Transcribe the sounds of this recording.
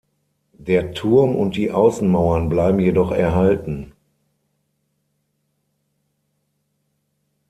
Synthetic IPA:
d̥eːɐtʰʊɐmʔʊnt̚d̥iːʔaʊsn̩maʊɐnblaɪbm̩jedɔχɛɐɦaltn̩

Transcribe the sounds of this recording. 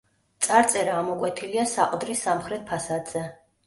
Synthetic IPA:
t̪sʼaɾt̪sʼɛɾaːmɔkʼwɛt̪ʰiliasaqʼd̪ɾisamχɾɛt̪̚pʰasad̪z̥ɛ

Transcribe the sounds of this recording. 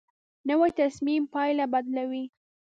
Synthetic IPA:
nəwajt̪asmimpɑjlabad̪lawi

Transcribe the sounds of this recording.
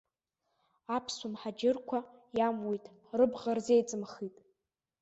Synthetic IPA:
apʰsumħad͡ʒɪrkʷʰajamwojtʼ | rɨbʁarzejt͡sʼɨmχitʼ

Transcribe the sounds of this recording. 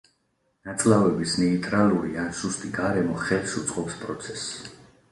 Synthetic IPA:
nat̪sʼlavɛbisnɛit̪ʼɾaluɾianʃust̪ʼiɡaɾɛmɔχɛlsut̪sʼqʼɔpspʼɾɔt̪sʰɛsː

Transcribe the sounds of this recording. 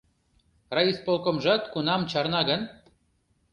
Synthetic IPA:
rɑispolˠkŏmʒɑt̪kunɑmt͡ɕɑrnɑɣən

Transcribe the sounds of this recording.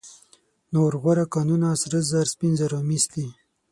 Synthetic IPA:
noɾɣoɾakanunasɾəzaɾspinzaɾomisli

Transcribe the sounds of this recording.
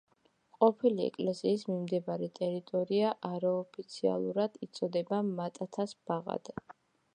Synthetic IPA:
qʼɔpʰiliɛ̰kʼlɛsiːsmimd̪ɛbaɾɛt̪ʼɛɾit̪ʼɔɾiaʔaɾaɔpʰit̪sʰia̰lˠuɾad̪̥it̪sʼɔd̪ɛbamat̪ʼat̪ʰasb̥aʁa̰d̪̥ɛ

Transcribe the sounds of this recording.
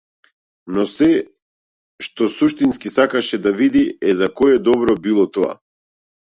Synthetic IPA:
nɔsɛ | ʃt̪ɔsuʃt̪inskisakaʃɛd̪avid̪iɛzakɔjɛd̪ɔbɾɔbilˠɔt̪ɔa̰

